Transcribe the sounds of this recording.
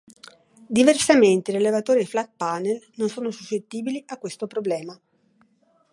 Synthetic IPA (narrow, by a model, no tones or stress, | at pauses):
d̪iversament̪eiɾelevat̪oːɾiflat̪̚panelnonsoːnosusːet̪ːiːbiliʔakːwest̪opɾoblɛːma